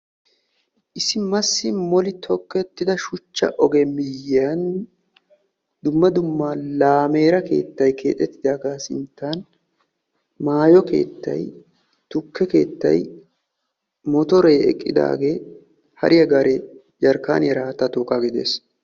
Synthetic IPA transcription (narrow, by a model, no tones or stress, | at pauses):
ʔɪsɪmɐsːɪmɔlɪt̪ʰɔkːɛt̪ːɪd̪ɐʃʊt͡ʃːɐ̰ʔɔɡɛmɪjːɪɐn | d̪ʊmːɐd̪ʊmːaːlaːme̞ːɾɐke̞̰ːt̪ːɐjkʰe̞̰ːt̪ʼːɛt̪ːɪd̪aːɡaːsɪnt̪ːan | maːjɔke̞̰ːt̪ːɐ̰j | t̪ʊkːɛke̞̰ːt̪ːɐ̰j | mɔt̪ɔɾeːɛ̰kʼːɪd̪a̰ːɡe̞ː | hɐ̰ɾʔɪjɐɡɐɾɛ | d͡ʒɐɾkːa̰ːnjɛɾaːt̪ːɐt̪oːkːaɡɪd̪e̞̰ːs